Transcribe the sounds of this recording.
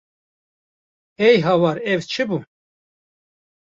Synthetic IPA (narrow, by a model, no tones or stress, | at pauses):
ɛjɦɑwɑɾɛvt͡ʃʰɨbu